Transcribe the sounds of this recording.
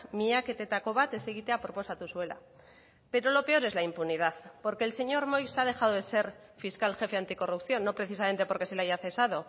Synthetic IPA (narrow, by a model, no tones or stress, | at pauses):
miake̞t̪e̞t̪ako̞βat̪e̞seɣit̪eapoɾpo̞sat̪uswe̞la̰ | pe̞ɾo̞lo̞pe̞o̞ɾe̞zlaimpunið̞aθpo̞ɾkeːlse̞ɲo̞ɾmo̞jsað̞e̞xaðo̞ðe̞se̞ɾ | fiskalxe̞fe̞ant̪iko̞rupθjo̞nːo̞pɾe̞θisame̞nt̪e̞po̞ɾke̞selaʝaθe̞sað̞o̞